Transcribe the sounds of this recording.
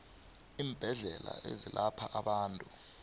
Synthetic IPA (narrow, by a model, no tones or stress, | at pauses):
iːmb̥ʱɛɮɛlaʔezilʔapʰaʔaɓaːntʼu